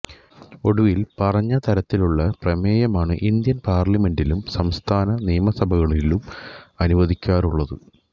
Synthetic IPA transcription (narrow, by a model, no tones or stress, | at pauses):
o̞ɽuʋilpɐrɐɲːɐt̪ɐɾɐt̪ːiluɭːɐprɐmeːjɐmaːɳɨʔind̪jɐnpaːrlɐme̞nɖilumsɐmst̪ʰaːnɐniːɐmɐsɐbʱɐɣɐɭilumɐnuʋɐd̪ʱikʲːaːɾuɭːɐðɨ